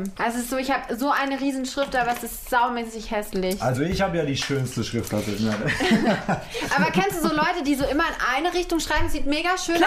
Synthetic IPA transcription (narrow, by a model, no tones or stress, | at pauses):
mʔasɪstz̥oːɪçhaːbəzoːʔaɪnəʁiːzn̩ʃʁ̥ɪftəʔaːbɐɛsɪsttz̥aʊmɛːsɪçhɛslɪçʔalzoɪçhaːbəjaːdiːʃøːnstəʃʁ̥ɪftlatəna | ʔaːbɐkʰɛnstd̥uːzoːlɔʏtədiːzoːʔɪmɐɪnʔalnəʁɪçtʊŋʃʁ̥aɪbmsz̥iːtmeːɡaʃøːn